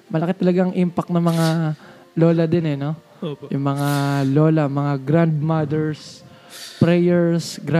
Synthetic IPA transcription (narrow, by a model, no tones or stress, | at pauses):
mɐlɐkɪt̪ɐlɐɡaŋʔimpɐk̚nɐmɐŋa | lo̞ːlɐd̪ɪnɛno̞ | jʊŋmɐŋalo̞ːlɐmɐŋaɡɾand̪̚mad̪ɛɹs | pɾɛjɛɹsɡɾa